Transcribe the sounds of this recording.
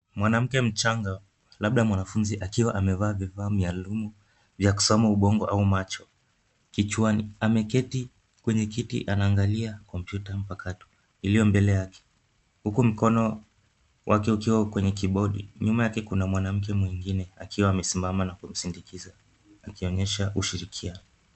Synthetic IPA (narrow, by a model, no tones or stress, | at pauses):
mwanam̩kɛm̩t͡ʃaŋɡa | laɓ̚ɗamwanafunziʔakiwaʔamɛvaːvifaːmialumu | vjaku̥sɔmauɓɔŋɡɔʔaumat͡ʃɔ | kit͡ʃuwaniamɛkɛti | kwɛɲɛkitḭʔanaːŋɡaliakɔmpjutam̩pakatu̥ | ilijɔmbɛlɛjakʰɛ̥ | hukum̩kɔnɔ | wʔakɛukiwakwɛɲɛkiɓɔɗḭɲumajakɛkunamwanam̩k̬ɛmwiŋɡinɛakiwaːmɛsimbamanakum̩sindikiza | akiɔɲɛʃauʃiɾikʰianɔ